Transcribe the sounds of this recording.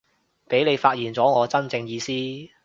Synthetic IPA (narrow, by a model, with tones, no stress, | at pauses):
pe˨˥jle˨˧jfaː˧t̚jiː˨˩nt͡sɔː˨˥ŋɔː˨˧t͡sɐ˥nt͡sɪ˧ŋjiː˨˧siː˥